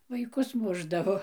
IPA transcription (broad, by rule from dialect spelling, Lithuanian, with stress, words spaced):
ʋɐɪˈkʊs ˈmʊʒdɐʋoː